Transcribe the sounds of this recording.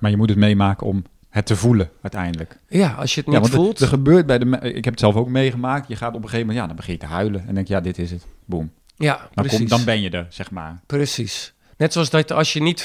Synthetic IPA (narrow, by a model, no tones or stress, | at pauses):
maɹjəmutətmejmaːkəɔm | hətəvuləœɥtɛjndələkjaɔ̰sjətnjaɑntlˠtdəχəbøːt̚bɛjdəmɪ̰kɦɛpətsɛlˠfowkmejχəmaːk̚tjəχaːtɔpəχeːvəmɛntjadɔnbəχɪnjətəɦœɥləɛndɛŋkjadɪtɪsətbum | jadkdɔnbɛnjədərsɛxma̰ːrprəsis | nɛtsoɔsdɔtɔsjənit